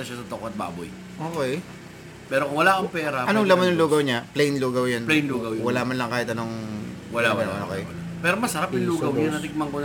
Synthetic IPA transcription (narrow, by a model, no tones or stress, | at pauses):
ɐʃasɐt̪okoɐt̪̚ba̰ːbo̰j | ʔoːkɛj | pɛːɾokʊŋwɐlakɐmpɛːɾɐʔɐnoŋlɐmɐnʊŋluːɡɐwɲaplɛjnluːɡɐwjɐnplɛjnluːɡɐwjwɐlaːʔmɐnlɐŋkaːhɪt̪ɐnoŋwɐlao̰ːkɛj | pɛːɾomɐsɐɾapɐŋluːɡɐwɲanɐt̪ɪɡ̚mɐŋko